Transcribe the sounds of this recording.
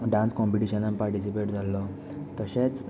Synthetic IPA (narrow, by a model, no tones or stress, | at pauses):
ɖãnskɔmpiʈiɕənampaɾʈisipeʈd͡zalɔ | t̪əɕet͡s